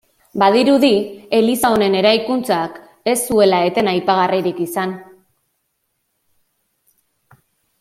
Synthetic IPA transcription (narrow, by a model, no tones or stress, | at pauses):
bað̞iɾuðie̞lisao̞ne̞ne̞ɾajkunt͡sak | e̞sːue̞lae̞t̪e̞najpaɣ̞ariɾikisan